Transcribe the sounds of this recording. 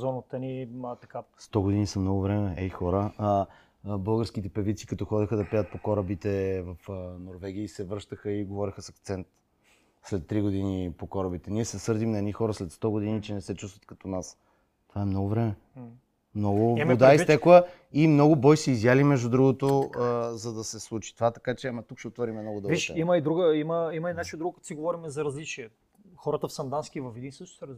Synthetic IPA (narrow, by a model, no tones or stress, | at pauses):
zɔnət̪ənit̪ɐkast̪ɔɡod̪inisɐmnɔɡʊvɾɛmɛɛixɔɾəə | bɤlˠɡəɾskit̪ɛpɛvit̪si̥kɐt̪ɔxɔd̪ɛxəd̪ɐpiət̪̚pokɔɾəbit̪ɛvɐfnoɾvɛɡ̟iəisɛvɾɤʃt̪əxəiɡovɔɾixəsɐk̚t̪sɛnt̪ | slɛt̪ːɾiɡod̪inipokɔɾəbit̪ɛniɛsɛsɤɾd̪imnɐɛd̪nixɔɾəslɛt̪st̪ɔɡod̪init͡ʃɛnɛsɛt͡ʃust̪vət̪̚kɐt̪ɔnas | t̪ovaɛmnɔɡʊvɾɛmɛ | mnɔɡʊvod̪aist̪ɛklˠə | imnɔɡʊbɔjsiizjalimɛʒd̪ud̪ɾuɡot̪ozɐd̪ɐsɛslˠut͡ʃi̥t̪ovat̪ɐ̥kat͡ʃɛamɐt̪ukʃɛot̪vɔɾimɛmnɔɡʊd̪ɤviʃɛimɐid̪ɾuɡəiməimɐinat͡ʃiod̪ɾuɡokɐt̪o̥siɡovɔɾimɛzɐɾɐzlit͡ʃiɛ | xɔɾət̪əfsɐnd̪anskivɐfɛd̪insəʃt̪ʊ̥sɛɾ